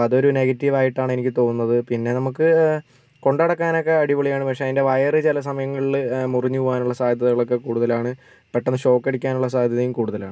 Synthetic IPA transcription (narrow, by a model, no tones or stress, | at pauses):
ɐðo̞ɾune̞ɡɐtːiʋaːjiʈːaːɳe̞nikʲːɨt̪o̞ːnunːɐðɨpinːe̞nɐmukːɨ | ko̞ɳɖɐɽɐkːaːno̞kːeɐɽiʋɐɭijaːɳɨpɐkʂeɐðinde̞ʋɐjɐrɨt͡ɕelɐs̬ɐmɐjɐŋːɐɭilmuriɲːuʋaːnuɭːɐsaːd̪ʱjɐðɐɣɐɭo̞kːe̞kuːɽuðɐlaːɳɨ | peʈːenːɨɕo̞ːkːɐɽikʲːaːnuɭːɐsaːd̪ʱjɐðɐjumkuːɽuðɐlaːɳɨ